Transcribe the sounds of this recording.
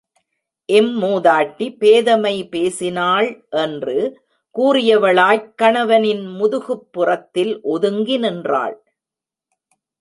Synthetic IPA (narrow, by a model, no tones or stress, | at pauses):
ʔɛmmoːðaːʈːipeːðɐmɐɪpeːsɪnaːɭʔɛndrɯ | kuːrɪjɐʋɐɭaːjkːɐɳɐʋɐnɪnmʊðʊɣɯpːɯrɐt̪ːɪlʔɔðɯŋɡɪnɛndra̰ːɭ